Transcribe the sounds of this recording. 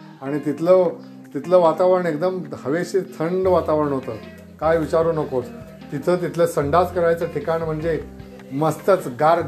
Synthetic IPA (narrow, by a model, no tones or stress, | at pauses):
aɽ̃it̪it̪ʰlə | t̪it̪ləːʋat̪aʋəɾəɳek̚d̪əmhəʋeɕit̪ʰəɳɖʋat̪aʋəɾəɳ̃ɦot̪əː | kajʋit͡ɕaɾuːnəkot͡s | t̪it̪ʰət̪̬it̪ʰləsəɳɖat͡skəɾajt͡səʈʰikanim̤əɳd͡ze | məst̪ət͡sɡaɾ